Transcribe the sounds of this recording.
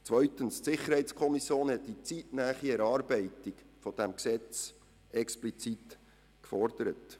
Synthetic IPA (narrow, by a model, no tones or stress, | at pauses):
t͡sʋœʏtənstsɪχəɾhɛɪtt͡skʰɔmisjoːnhɛtdit͡sitnæːχiɛɾɑːɾbɛɪtik | fɔd̥æmksɛt͡s | ɛksplit͡sit | kfɔrd̥əɾət